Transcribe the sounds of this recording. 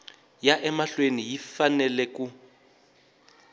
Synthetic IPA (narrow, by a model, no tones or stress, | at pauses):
jaʔɛmaɬwenijifanɛlɛku